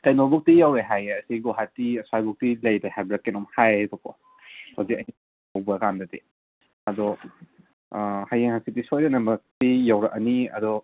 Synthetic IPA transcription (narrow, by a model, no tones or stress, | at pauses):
kajnɔbɔk̚tijawɾeɦajɐsiɡɔɦatːiɐsajbɔk̚tilajdahabɾakːenɔmhajdɔkɔ̰ | hawzikɐhi | awbɐkamdadi | ɐdɔ | hajeŋhasitisɔjɾenɐmɐk̚tijawɾaʔɐniɐ̰dɔ